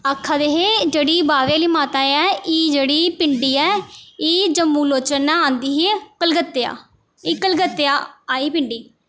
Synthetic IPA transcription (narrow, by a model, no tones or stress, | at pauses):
akʰːaːd̪eːɦeːd͡ʒeːɽiːbaːʋeːliːmaːt̪aːjɛːiːd͡ʒeːɽiːpɪɳɖiːɛːiːd͡ʒəmːũːloːt͡ʃənãːãːnd̪iːɦeːkəlɡət̪ːea̰ː | iːkəlɡət̪ːeaːaːiːpɪɳɖiː